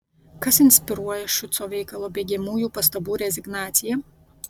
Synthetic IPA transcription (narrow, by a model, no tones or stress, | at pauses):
kɐsɪnʲsʲpʲɪɾuɔjɛʃʊt̪soːʋʲɛɪkɐlˠoːbʲeːɡʲɛmuːjuːpɐst̪ɐbuːɾʲɛzʲɪɡnɑːt̪sʲɪjɛ